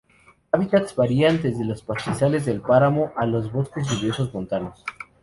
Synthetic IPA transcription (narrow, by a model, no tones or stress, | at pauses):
aβit̪at̪sβaɾiand̪ezðe̞lo̞spasisale̞zðe̞lpaɾamo̞ʔalo̞zβo̞skez̬ʝuβjoso̞zmo̞nt̪ano̞s